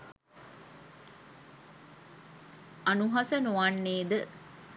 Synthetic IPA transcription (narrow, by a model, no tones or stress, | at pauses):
ɐnuɦɐsənuʋɐnːeːd̪ə